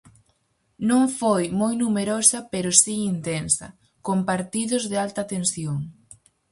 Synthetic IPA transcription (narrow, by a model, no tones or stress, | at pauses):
nõŋfojmojnumeɾosɐpeɾʊsiint̪ensɐ̰ | kompaɾt̪iðʊzðɪalt̪ɐaːt̪ensjoŋ